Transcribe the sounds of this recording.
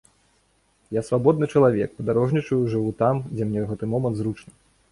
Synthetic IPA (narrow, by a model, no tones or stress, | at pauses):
jasvabɔd̪nɨt͡ʂɐlˠavʲɛk̚pɐd̪aɾɔʐnʲit͡ʂɐjuʐɨvut̪amd͡zʲɛmnʲɛɣɛt̪ɨmɔmɐnt̪zɾut͡ʂnɐ